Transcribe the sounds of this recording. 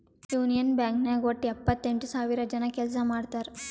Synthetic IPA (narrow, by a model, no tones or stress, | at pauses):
juːnijɐnbjaːŋkneɡoʈːiɐpːɐt̪ːeɳʈusaːʋiɾɐd͡ʒɐnɐkɛls̬ɐmaːɽt̪aːɾ